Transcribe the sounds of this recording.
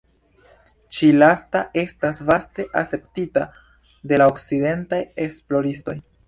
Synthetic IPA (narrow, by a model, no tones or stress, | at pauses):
t͡ʃilastaʔe̞stasvaste̞ʔase̞ptita | de̞laokt͡side̞ntajesplo̞ɾisto̞j